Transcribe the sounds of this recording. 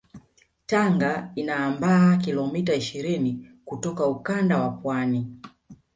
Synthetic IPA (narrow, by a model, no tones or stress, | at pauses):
taŋɡainaːmbaːkilɔmitaiʃiɾinikutɔkaukandawapwani